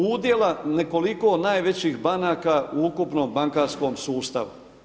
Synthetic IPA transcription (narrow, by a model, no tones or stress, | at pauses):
uːd̪je̞laneko̞liko̞naːjʋe̞t͡ɕixbanaːkauukupnoːmbaŋkaːɾsko̞ːmsuːst̪a̰ʋṵ